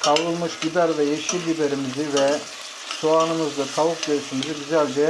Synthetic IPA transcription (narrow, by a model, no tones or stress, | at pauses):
kʰawɾɯlˠmɯʃɟid̪æɾvɛjeʃiɾʲd̪ibeɾimizivɛ | soaːnɯmɯzd̪at̪ʰavukd̪ejɯʃumɯzɯɡyzælʲd͡ʒɛ